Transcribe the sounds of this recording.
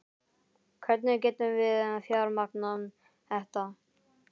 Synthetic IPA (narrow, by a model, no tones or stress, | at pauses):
kʰvɛɾt̪nɪcɛːt̪ʏmvɪðfjaɾmaknʏm | θɛht̪a